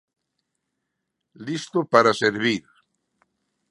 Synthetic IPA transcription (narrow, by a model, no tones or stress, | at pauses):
list̪opaɾaseɾβiɾ